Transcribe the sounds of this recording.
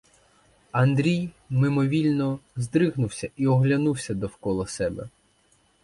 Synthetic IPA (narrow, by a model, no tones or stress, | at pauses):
ɐnd̪ɾʲij | mɪmɔʋʲilʲnɔzd̪ɾɪɦnʊwsʲɐʔiɔɦlʲɐnuwsʲɐd̪ɔwkɔlˠɔsɛbɛ̰